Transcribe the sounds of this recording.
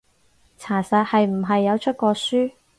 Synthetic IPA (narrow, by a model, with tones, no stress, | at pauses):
t͡sʰaː˨˩sɐ˧t̚hɐ˨jm̩˨˩ɦɐ˨jːɐ˨˧wt͡ʃʰɵ˥t̚kɔː˧syː˥